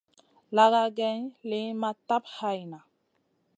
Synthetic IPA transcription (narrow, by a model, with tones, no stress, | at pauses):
la˨ɡa˦ɡɛ˦ɲli˦ma˦ta˦pha˨jna˨